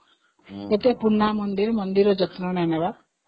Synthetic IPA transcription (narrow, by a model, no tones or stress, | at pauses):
et̪epunːamɔnd̪iɾmɔnd̪iɾɔd͡ʒɔt̪nɔnaneba